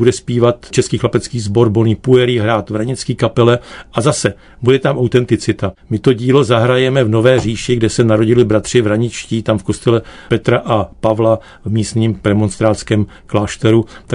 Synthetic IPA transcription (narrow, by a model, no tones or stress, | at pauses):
budɛspiːvat̪t͡ʃɛskiːxlapɛt͡skiːzbo̞ɾboniːpuɛɾiːɦɾaːt̪vɾaɲɪt͡skiːkapɛlɛʔazasɛ | budɛt̪amʔawt̪ɛnt̪ɪt͡sɪt̪amɪt̪o̞ɟiːlo̞zaɦɾajɛmɛvno̞vɛːr̝iːʃɪɡdɛsɛnaɾo̞ɟɪlɪbɾat̪r̝̥ɪvɾaɲɪt͡ʃciːt̪amfko̞st̪ɛlɛ | pɛt̪ɾaʔapavla | vmiːst̪ɲimpɾɛmonst̪ɾaːt͡skɛːm | klaːʃt̪ɛɾut̪a